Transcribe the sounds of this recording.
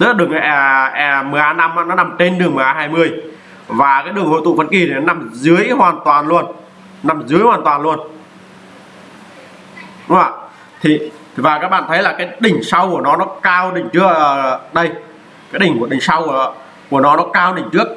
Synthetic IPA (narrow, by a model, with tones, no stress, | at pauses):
t̪ɨ˦˥la˨ɗɨ˨˩əŋʔɛ˧˩ʔɛ˧˩mɨ˨˩ʔaː˨˧˦na˧mʔa̰ː˧˥nɔ˨˦na˨˩mt͡ɕe˧nɗɨ˨˩əŋmɨ˨˩ʔaː˧˦ɦaː˧jmɨ˧əj | vaː˨˩kaː˨˦jɗɨ˨˩əŋho̰˧˨jt̪ṵ˧˨fə˧˩nki˨˩t̪ʰi˨˩nɔ˦na˧˩mzɨ˨˦əjhwaː˨˩nt̪waː˨˩nlu˧˩ən | na˨˩mzɨ˨˦əjhwaː˨˩nt̪waː˨˩nlu˧ən | ɗʊ˨˦ŋ͡ma̰˧˨˩ | t̪ʰi˨˩˨ | vaː˨˩kaː˦˥k̚ɓa̰ː˧˨nt̪ʰə˨˦jlaː˨˩kaː˨˦jɗï˧˩ŋ̟sa˧wku˧˩ənɔ˨˦nɔ˨˦kaː˧wɗï˨˩ŋ̟t͡ɕɨ˦˥ək̚ə˧˩ɗə˧j | kaː˨˦jɗï˩ŋ̟ku˧˩əɗï˨˩ŋ̟sa˧w | ku˧˩ənɔ˨˦nɔ˨˦kaː˧wɗï˧˩ŋ̟t͡ɕɨ˦˥ək̚